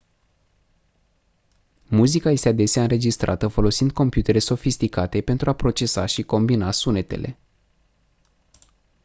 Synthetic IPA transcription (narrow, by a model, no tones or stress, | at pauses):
muzikaje̞st̪ead̪e̞seaɨnɾe̞d͡ʒist̪ɾʔa̰t̪əfo̞lo̞sind̪̚ko̞mpjut̪e̞ɾe̞so̞fist̪ikat̪e̞pe̞nt̪ɾuapɾo̞t͡ʃe̞saʃiko̞mbinasune̞t̪e̞̰lʔe̞̰